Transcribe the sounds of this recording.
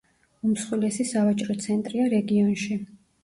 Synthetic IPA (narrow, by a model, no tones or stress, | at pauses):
umsχwilɛsisavat͡ʃʼɾɔt̪sʰɛnt̪ʼɾiaɾɛɡiɔnʃi